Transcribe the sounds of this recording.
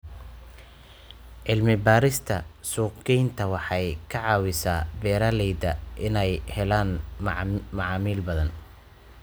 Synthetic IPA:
ʕɪlmɪbaːɾɪst̪ʰɐsuːqɡɛjnt̪ʰɐwɑħɑjkʰɑʕɑːwɪsaːbɛːɾalɛjd̪ɐʔɪnɛjhɛlaːn | mɑʕɑːmiːlbɐðɐn

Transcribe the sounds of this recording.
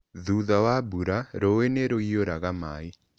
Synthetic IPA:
ðuðawabuɾaɾoweneɾoioɾaɣamai

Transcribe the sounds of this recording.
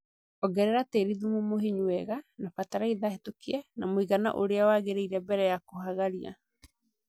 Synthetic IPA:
ɔɡɛɾɛɾateɾiðumumohiɲwɛɣanafataɾaiðahetokiɛnamoiɣana̰ʔoɾeawaɣeɾeiɾɛbɛɾɛjakohaɣaɾia̰

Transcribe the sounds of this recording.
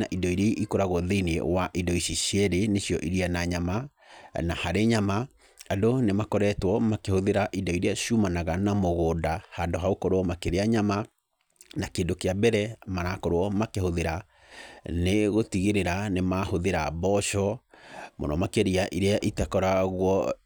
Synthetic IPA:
naʔidɔiɾeʔikoɾaɣoðeinewaʔidɔiɕiɕjɛɾeneɕijɔʔiɾianaɲama | nahaɾeɲama | adonemakɔɾɛtwɔmakehoðeɾaʔidɔiɾeaɕumanaɣanamoɣoːdahandoɦaokɔɾoɔmakeɾeaɲama | nakeːndokeabɛɾɛmaɾakɔɾwɔmakehoðeɾa | neɣotiɣeɾeɾanemahoðeɾabɔʃɔmo̰nɔmakeɾiaʔiɾeaʔitɛkɔɾaɣwɔ

